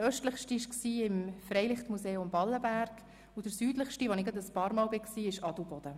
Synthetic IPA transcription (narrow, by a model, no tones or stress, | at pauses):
œʃtləχʃtiɪʃksiːɪmfrɛɪlɪχt̪museːʊmbɑlːəbæɾɡ̥ | ʊd̥əɾsyːdləχʃtiʋɔnɪɡənt̪əspɑːɾmɑːlbɪksiːɪʃɑd̥̪ubɔd̥̪ə